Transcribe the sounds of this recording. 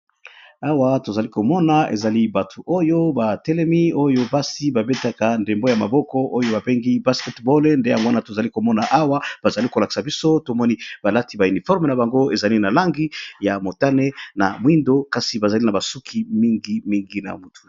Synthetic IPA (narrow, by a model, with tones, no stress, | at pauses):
a˦wa˦to˨za˨li˦ko˨mɔ˦na˦ḛ˨za˨li˦ba˨tʰu˨ʔo˦jo˦ba˨tɛ˦lɛ˦mi˦o˦jo˦ba˦si˨ba˨be˦ta˨ka˨nde˨mbo˦ja˨ma̰˨bɔ˦kɔ˦ʔo˦jo˦ba˨be˦ŋɡi˦ba˦skɛ˦tbɔ˦lnde˦ja˨ŋɡo˦a˦na˨to˨za˨li˦ko˨mɔ˦na˨ʔa˦wa˦b̥a˨za˨li˦ko˨la˨ki̥˨sa˨bi˦so˦to˨mɔ˦ni˦b̥a˨la˦ti˨˦ba˨y˨ni˨fɔ˦ʁme˨na˨ba˨ŋɡo˦e˨za˨li˦na˨la˦ŋɡi˦ja˨mo˨ta˦ne˦na̰˨mwi˦ndo˦ka˦si˨ba˨za˨li˦na˨ba˨su˦kʰi˨˦mi˦ŋɡi˦mi˦ŋɡi˦na̰˨mu˨tʰu̥˨